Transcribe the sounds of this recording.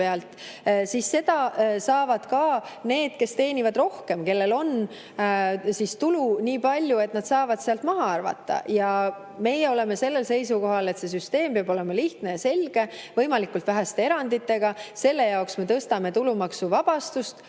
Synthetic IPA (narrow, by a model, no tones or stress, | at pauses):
eɑlt̪ˑsisːe̞d̪̥ɑsɑːvɑd̪̥kɑːne̞ːd̪̥̚ke̞st̪e̞ːnʲivɑd̪ro̞hke̞mke̞lːe̞lo̞n | sist̪uluniːpɑlʲjue̞t̪nɑd̪sɑːvɑd̪̥seɑlt̪mɑɦɑɑrvɑ̰t̪ːˑɑ̰jɑ | me̞jeo̞le̞me̞se̞lːe̞lse̞jsuko̞ɦɑle̞t̪se̞s̬yst̪e̞ːmpeɑbo̞le̞mɑliht̪ne̞jɑse̞lɡ̥e̞vɤ̞jmɑlikːult̪væɦæst̪ee̞ɾɑnd̪it̪ːe̞ɡ̥ɑse̞lːe̞jɑoksme̞t̪ɤst̪ɑme̞t̪ulumɑksuvɑb̥ɑst̪ust̪